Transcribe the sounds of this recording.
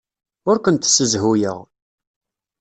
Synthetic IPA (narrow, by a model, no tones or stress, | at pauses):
ʊɾkʷənt̪səzɦujə̰ʁ